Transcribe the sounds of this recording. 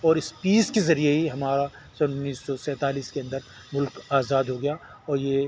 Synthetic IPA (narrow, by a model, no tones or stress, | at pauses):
ɔːɾɪspiːskezɐɾieɦiɦɐmaːɾa | sɐnʊnːiːsːɔsɛ̃ːt̪aːliːskeɐ̃nd̪əɾ | mʊlkaːzaːd̪ɦoːɡɐja | ɔːɾjeː